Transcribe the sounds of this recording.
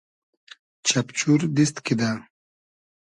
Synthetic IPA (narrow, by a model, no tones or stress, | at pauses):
t͡ɕapt͡ɕuɾd̪ist̪kid̪a